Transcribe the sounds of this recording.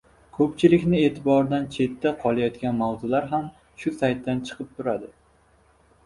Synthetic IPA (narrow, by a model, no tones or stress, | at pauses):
kʰɵpt͡ʃʰɪlɪkʲnɪe̞ːt̪ʰɪbɒɾd̪ant͡ʃʰe̞t̪ʰːaqʰɒlˠajɒt̪kʲanmawzʊlaɾɦam | ʃʊsajt̪ʰːant͡ʃʰɨ̥qʰɨp̚t̪ʰʊɾad̪ɪ